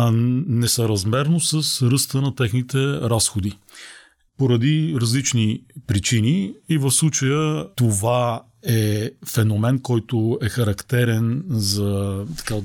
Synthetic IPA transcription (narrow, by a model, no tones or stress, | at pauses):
nɛsəɾɐzmɛɾnosəsɾɤst̪ənɐt̪ɛxnit̪ɛɾasxod̪i | poɾɐd̪iɾɐzlit͡ʃnipɾit͡ʃiniivɐfslˠut͡ʃəjət̪ova | ɛfɛnomɛnkɔjt̪oɛxɐɾɐkt̪ɛɾɛnzɐt̪ɐ̥ka